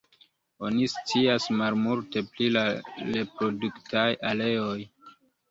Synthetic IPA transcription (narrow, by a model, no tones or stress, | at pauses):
o̞nist͡siasmalmulte̞plilaɾe̞pɾo̞duktʰajale̞o̞j